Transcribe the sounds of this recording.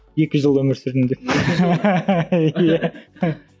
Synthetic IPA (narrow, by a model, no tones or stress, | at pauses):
je̞kʲɪʒəlˠɵmɪɾsɪɾɪnd̪e | jæ